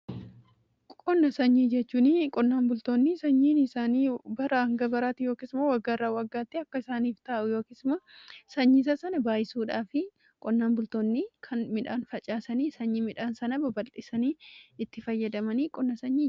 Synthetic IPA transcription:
kʼɔnːɐsɐɲːiːd͡ʒɛt͡ʃːuːnikʼɔnːaːnbʊlt̪oːnːisɐɲːiːnɪsaːniːbɐɾaɐŋɡɐbɐɾaːt̪ːɪjo̞ːkɪsmowɐɡːaraːwɐɡːaːt̪ːɪɐkːɐɪsaːniːft̪aːʔʊjo̞ːkɪsmɐsɐɲːis̬ɐsɐnɐbaːjɪsuːᶑaːfɪ | kʼɔnːaːnbʊlt̪onːikʰɐnmɪᶑaːnfɐt͡ʃʼaːsɐniːsɐɲːiːmɪᶑaːnsɐnɐbɐbɐlɪsɐniːɪt̪ːɪfɐjːɐd̪ɐmɐniːkʼɔnːɐsɐɲːiː

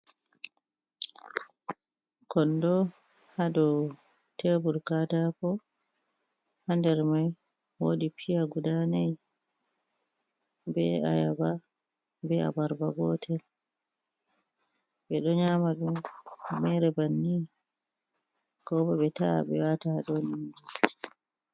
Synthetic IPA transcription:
kɔndɔ | hadɔ | tʰebuɾkatapɔ | handɛɾmaj | wodipʰijaɡudanaj | bɛ̰a̰jaba | bɛa̰baɾbaɡɔtʰɛ | ɓɛɗɔɲaːmaɗummɛɾɛbanːi | kɔbɔɓɛtaɓɛ̰wataɗɔnindu

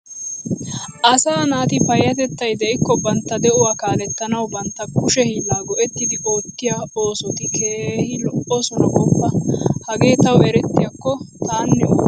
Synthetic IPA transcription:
ʔɐsaːnaːt̪ɪpɐjːɐt̪ɛt̪ːɐjd̪ɛʔɪkːɔbɐnt̪ːɐd̪ɛʔʊwaːkaːlɛt̪ːɐnɐwbɐnt̪ːɐkʊʃɛhiːlːaːɡɔʔɛt̪ːɪd̪ɪʔoːkːɪjaoːsɔt̪ɪkʰeːhɪlɔʔɔsɔnɐʔɔbːɐhɐɡe̞ːt̪ɐwɛɾɛt̪ːɪjɐkːɔt̪aːnːɛ

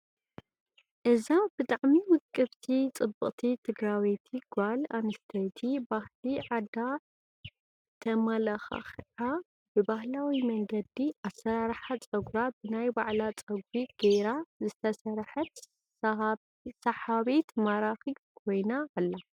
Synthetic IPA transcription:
ʔɨzabɨt̪ʼaʕmiwɨkʼːɨβt̪ʰit͡sʼɨbːɨχʼt̪ʰit̪ʰɨɡɾawet̪ʰiɡ̥ʷalanɨst̪ʰɐjt̪ʰibahliʕad̪a | t̪ʰɐmɐlɐxa̰xʕa | bɨbahlawimɐŋɡɐd̪iʔasːɐɾaɾħat͡sʼɐɡɾabɨnajbaʕlat͡sʼɐɡ̚ɾiɡ̥ejɾazɨt̪ʰɐsɐɾħɐt̪ | sɐħaβet̪maɾaxiɡkʰo̞jnaːlːa

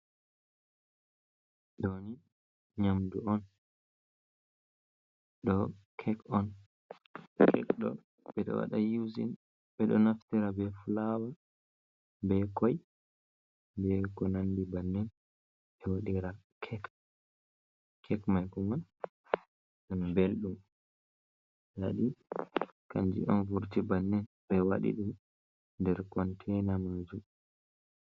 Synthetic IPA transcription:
ɗoni | ɲamduɔn | ɗɔkʰɛkɔn | kɛ̰kɗɔ̰ | ɓɛɗɔ̰wa̰ɗajuzḭn | ɓɛɗɔnaftiɾabɛfulawa | bɛkɔj | bɛkɔnandibanːɛn | ɓɛwaɗiɾakʰɛk | kʰɛkmajkuman | ɗɔnbelɗum | jaɗi | kaɲd͡ʒḭʔɔnvuɾtibanːɛn | ɓɛwaɗḭɗum | ndɛɾkɔntʰɛnamad͡ʒum

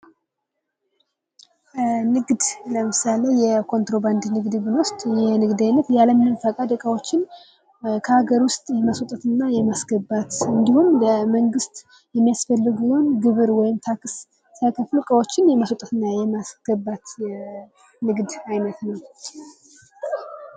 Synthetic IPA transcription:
nɨɡd̪ləmɨsalejɛkʰo̞nt̪ɾo̞band̪nɨɡd̪ɨbɨnwost̪ʼjɛnɨɡd̪ajnːət̪jaləmnɨnfəkʼad̪əkʼəwo̞t͡ʃːɪn | kʰəhaɡəɾwʊst̪ʼjɛmasot̪ʼət̪ɨnːajɛmasɡəbat̪ɨnd̪ihumləməŋɡɨst̪ʼ | jɛmːijasfəlːɨɡjəonɡɨβɨɾwɔjɪmt̪ʰakʰɨsː | ajkʰəflukʼəwo̞t͡ʃːɪnjɛmasot̪ʼət̪ɨnːajɛmasɡ̥əbat̪ | nɨɡd̪ajnət̪nəw

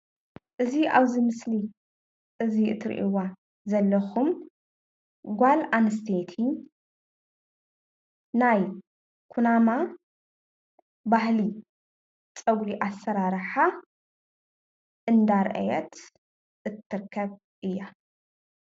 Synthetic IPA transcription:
ʔɨziʔaβzimɨsli | ʔɨziʔɨt̪ʰɨɾʔḭwa | zɐlːɐxum | ɡʷalʔanɨs̬t̪ʰet̪ʰi | naj | kʰunama | bahli | t͡sʼɐɡɾiʔasːɐɾaɾħa | ʔɨnd̪aɾʔɐ̰jɛt̪ | ʔɨt̪ʰːɨɾkʰːɐβ | ʔɨjːa

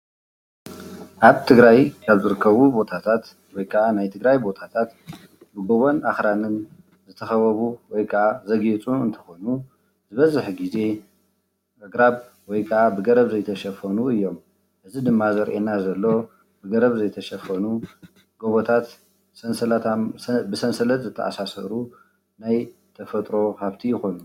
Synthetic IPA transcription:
ʔaβt̪ʰɨɡɾajkʰaβzɨɾɨkːɐβubo̞t̪ʰat̪ʰat̪ | wɔjkʰɐʔanajt̪ʰɨɡɾajbo̞t̪ʰat̪ʰat̪ | bɨɡo̞βo̞naxɾanɨn | zɨt̪ʰɐxɐβɐβuwɔjkʰɐʔazɐɡet͡sʼuɨnt̪ʰɐ̥xo̞nu | zɨβɐzɨħɡize̞ | ʔɨɡɾaβ | wɔjkʰɐʔabɨɡɐɾɐβzɐjt̪ʰɐʃɐfɐnuɨjːo̞m | ʔɨzid̪ɨmːazɐɾʔenazɐlːo̞ | bɨɡɐɾɐβzɐjt̪ʰɐʃɐfɐnu | ɡ̥oβot̪ʰat̪ | sɐnsɐlt̪abɨsɐnsɐlɐt̪zɨt̪ʰːɐ̰ʔa̰sasɐ̰ɾu | najt̪ʰɐfɐt̪ʼɾo̞kʰaβt̪ʰijɪxo̞nu

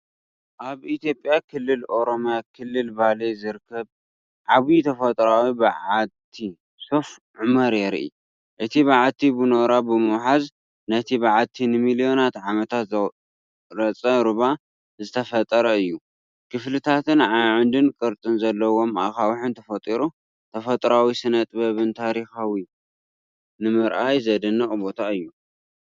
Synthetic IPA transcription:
ʔaβit̪jo̞pʼjakʰɨlːɨlo̞ɾomjakʰɨlːɨlbalezɨɾɨkʰːɐβ | ʕaβit̪ʰɐfɐt̪ʼɾawibɨʕat̪ʰːi | sof | ʕumɐɾjɛɾʔḭ | ʔɨt̪ʰiβaʕat̪ʰːibɨnoɾabɨmɨwħaz | nɐt̪ʰiβɨʕat̪ʰːinɨmilio̞nat̪ʕamɐt̪ʰat̪z | ɾɐt͡sʼɐɾɨβa | zɨt̪ʰɐfɐt̪ʼɐɾɐɨjːu | kʰɨflɨt̪ʰat̪ʰɨnʕajʕɨnd̪ɨnkʼɨɾt̪ʼɨnzɐlːɐwo̞mʔa̰kawħɨnt̪ʰɐfɐt̪ʼiɾu | t̪ʰɐfɐt̪ʼɾawisɨnɐt̪ʼbɐβɨnt̪ʰaɾixawi | nɨmɨɾʔajzɐd̪ɨnːɨχʼbo̞t̪ʰaɨjːu

